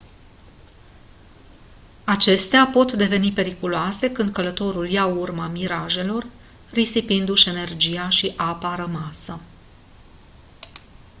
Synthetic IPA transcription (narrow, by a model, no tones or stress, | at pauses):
at͡ʃe̞st̪eapo̞t̪d̪e̞ve̞nipe̞ɾikuloase̞kɨnd̪̚kələt̪o̞ɾuljaurmamiɾaʒe̞lo̞r | risipind̪uʃe̞ne̞rd͡ʒijaʃiʔapaɾəmasə